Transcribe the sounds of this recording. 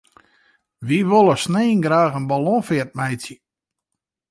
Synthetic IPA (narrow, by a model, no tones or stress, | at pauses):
ʋiʋolˠəsneːnɡɾaːxənbalɔ̃fɪərt̚mɛjtsjə